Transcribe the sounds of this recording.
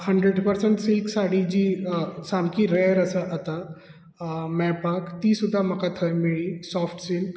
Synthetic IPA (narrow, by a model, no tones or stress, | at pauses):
həɳɖɾeɽpəɾsəɳʈsiksaɽid͡ʑiːsamkiɾejəɾəsəʔət̪a | mɛpakt̪isud̪ʱːam̤əkat̪ʰəjmiɭisɔfʈsiŋk